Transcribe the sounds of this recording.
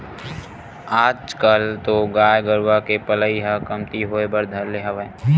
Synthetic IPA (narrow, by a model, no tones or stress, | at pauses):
aːd͡ʒkəlt̪oɡaːjɡəɾwakepələiɦakɐmt̪iɦoːebɐɾd̪ʱəɾleɦɐʋə̃